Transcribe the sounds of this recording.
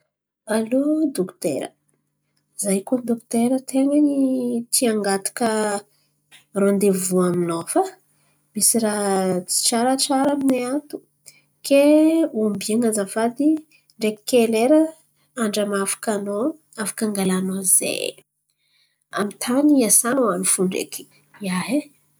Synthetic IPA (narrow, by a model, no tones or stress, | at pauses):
alod̪okt̪ḛɾə̰ | izajkod̪okt̪eɾət̪ʰeŋanit̪iaŋɡat̪u̥kə | rond̪evuaminofə | misiɾat͡si̥t͡ʃaɾət͡ʃaɾamineat̪u̥ | keambiaŋazafad̪i | ɳɖ͡ʐeki̥keleɾə | aɳɖ͡ʐamafḁkano | afḁkaŋɡalanozḛ | a̰mit̪ʰaniasanoanifuɳɖ͡ʐḛki̥ | aɦe